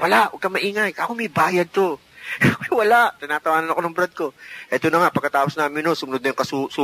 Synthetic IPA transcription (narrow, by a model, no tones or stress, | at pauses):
wɐlaʔoɡ̚kɐmɐʔiːŋɐjʔɐkomɐjbaːjɐd̪̚t̪o̞ | mɐjwɐlaʔt̪ɪnaːt̪ɐwaːnɐnɐko̞nɐŋbɾɐd̪̚ko̞ʔɛːt̪onɐŋaʔpɐɡ̚kːɐt̪aːposnaːmɪnosʊmʊnod̪̚nɐjʊŋkɐsusuː